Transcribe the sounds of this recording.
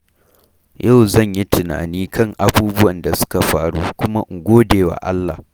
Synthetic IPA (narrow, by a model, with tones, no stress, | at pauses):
jʔa˦˨wzɐ˦˨ɲji˦tɪ˨na̰ː˨niː˦kɐ˦˨ŋʔa˨buː˦bʊ˦wɐ˨nda˨sʊ̥˦ka˨ɸaː˦ɽṵː˦kʷʊ˦ma˦ʔŋɡʷoː˦deː˨wa̰ː˨ʔa̰˦lːa̰˨